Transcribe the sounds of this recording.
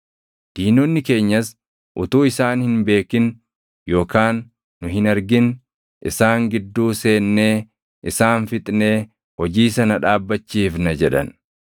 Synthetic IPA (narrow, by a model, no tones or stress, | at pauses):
d̪̥iːnɔnːɪke̞ːɲːɐs | ʔʊt̪uːɪsaːnhɪnbe̞ːkɪn | jo̞ːkaːnː | ʊɦɪnɐɾɡɪn | ʔɪ̰saːŋɡɪd̪ːuːse̞ːnːe̞ː | ʔɪsaːnfɪt̪ʼne̞ː | hɔd͡ʒiːsɐnɐᶑaːbːɐt͡ʃːiːfnɐd͡ʒɛᶑɐ̰n